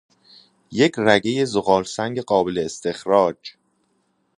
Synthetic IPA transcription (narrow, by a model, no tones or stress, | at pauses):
je̞cʰræɡe̞je̞zoɣɒːlsæŋɟeɢɒːbe̞leːst̪ʰe̞xɾɒːd͡ʒ